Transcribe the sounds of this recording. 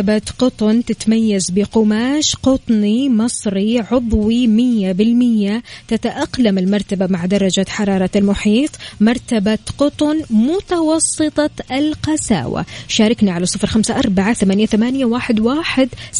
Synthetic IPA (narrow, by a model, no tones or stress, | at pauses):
abaqʊt̪ˤʊnt̪ɪt̪majːazbɪqʊmaːʃqʊt̪ˤnimɑsˤɾiʕʊbwimɪjːabɪlmɪjːat̪at̪aʔɑqlamɪlmɑɾˤt̪abamaʕd̪ɑɾˤːɑd͡ʒaħɑɾˤɑːɾˤɑalmʊħiːt̪ˤmɑɾˤt̪abaqʊt̪ˤʊnmʊt̪ɑwɑsˤːɨt̪ˤɑɪlqɑsa̰ːwa̰ʃaːɾˤɑknaʕalasˤːɨfɾxamsaʔɑɾˤbaʕaθamaːnjaθamaːnjawaːħɪd̪waːħɪd̪